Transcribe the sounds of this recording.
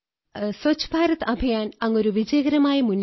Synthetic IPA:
sot͡ɕːu̥bʱaːɾɐt̪ɐbʱɐjaːnɐŋːo̞ɾuʋid͡ʑɐjɐɡɐɾɐmaːjɐmunː

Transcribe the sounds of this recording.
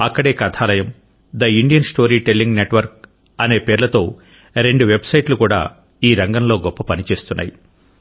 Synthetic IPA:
ɐkːɐɽe̞ːkɐt̪ʰaːlɐjɐm | d̪ɐiɳɖijɐnsʈo̞ːɾiːʈelːiŋɡneʈʋɐɾk̚ | ɐne̞ːpeːɾlɐt̪o̞ː | ɾe̞ɳɖuʋe̞bsɐjʈlukuːɽa̰ː | iːɾɐŋɡɐnlo̞ːɡɔpːɐpɐnit͡ʃe̞ːst̪unːa̰ːji

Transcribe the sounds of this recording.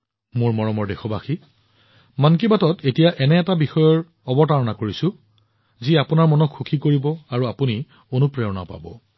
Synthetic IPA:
mʊɹmɔɹɔmɔɹdexɔbaxi | mankibatɔtetijaʔɛnɛːtabixɔjɔɹ | ɔbɔtaɹɔnakoɹisʊ̃ | ziapʊnaɹmɔnɔkʰxukʰikoɹibɔaɹuapuni | onupɹɛɔna̰pa̰bɔ̰

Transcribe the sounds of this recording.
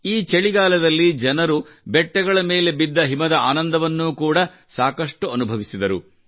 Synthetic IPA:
iːt͡ʃeɭiɡaːlɐd̪ɐlːid͡ʒɛnɐɾubɛʈːɛɡɐɭɐme̞ːle̞bid̪ːɐɦimɐd̪ɐaːnɐnd̪ɐʋɐnːuːkuːɽɐ | saːkɐʂʈuɐnubʱɐʋisid̪ɐɾṵ

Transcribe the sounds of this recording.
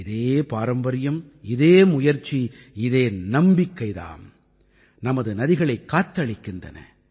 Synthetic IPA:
ɪðeːpaːɾɐmbɐɾɪjɐm | ɪðeːmʊjɐɾt͡ʃːi | ɪðeːnɐmbɪkːɐɪða̰ːn | nɐmɐðɯnɐðɪɣɐɭɐɪkːaːt̪ːɐɭɪkːɪndɐ̰nɐ̰

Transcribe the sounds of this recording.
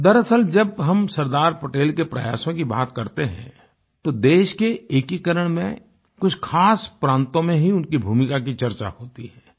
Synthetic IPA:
d̪ɐɾɐsəld͡ʒɐbɦɐmsɐɾd̪aːɾpɐʈeːlkepɾɐ̰ja̰ːʃõkiba̰ːt̪kɐɾt̪eɦɛ̰̃ | t̪od̪eːʃkeeːkikəɾəɽ̃mẽ | kʊt͡ʃʰkʰaːspɾãːnt̪õmẽɦiʊnkibʱuːmɪkakit͡ʃɐɾt͡ʃa̰hoːt̪iɦɛː

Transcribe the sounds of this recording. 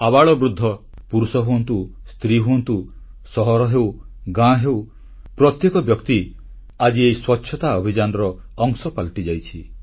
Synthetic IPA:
abaɭɔbɾud̪ʱːɔ | puɾusɔɦuɔnt̪ust̪ɾiɦuɔnt̪u | sɔɦɔɾɔɦew | ɡãɦew | pɾɔt̪jekɔbjɔkt̪i | ad͡ʒiejswɔtːʃʰɔt̪aɔbʱid͡ʒanɔɾɔː | ŋsɔpalʈid͡ʒajt͡ʃʰi

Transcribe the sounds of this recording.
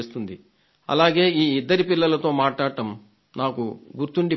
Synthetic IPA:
st̪und̪i | ɐ̰laːɡe̞ːiːid̪ːɐɾipilːɐlɐt̪o̞ːmaːʈlaːɽɐʈɐm | naːkuɡuɾt̪uɳɖi

